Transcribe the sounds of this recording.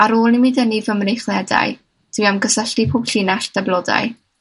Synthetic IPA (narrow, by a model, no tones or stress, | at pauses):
aɾoːlˠnimiːdənivəmrejχlˠɛda̰j | d̥wiamɡəsəɬtipʰoːb̥ɬɪnaɬd̥ablˠɔda̰j